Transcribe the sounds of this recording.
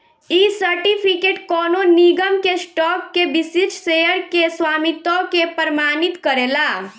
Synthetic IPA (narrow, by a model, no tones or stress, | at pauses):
isəɾʈipʰikeʈkɔnoniɡəmkesʈɔkːebisit͡ʃsejəɾkeswaːmit̪ɔkepəɾmaːnit̪kəɾela